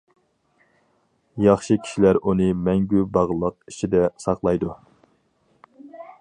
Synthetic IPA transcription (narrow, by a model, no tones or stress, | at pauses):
jɑχʃɨkʲʰi̥ʃilæɾunɨmɛŋɡʲybɑʁlˠəqit͡ʃʰid̪ɛsɑχqlˠɑjd̪u